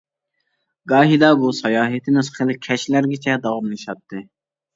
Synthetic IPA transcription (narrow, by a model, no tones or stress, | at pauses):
ɡɑːɦid̪ɑbusɑjɑːɦet̪ʰɪnɨsχelɨkʲʰɛʃlæɾɡʲɛt͡ʃʰɛd̪ɑwɑmlɨʃɑp̚t̪ʰːɨ